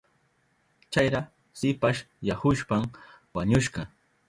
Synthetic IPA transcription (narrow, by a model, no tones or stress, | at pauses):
t͡ʃajɾa | sɪpaʃ | jahʊʃpam | waɲʊʃɢɑ